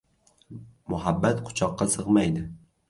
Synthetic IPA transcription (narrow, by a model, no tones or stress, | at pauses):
mʊɦabːat̪kʰʊ̥t͡ʃʰɒqːɑsɨʁmajd̪ɪ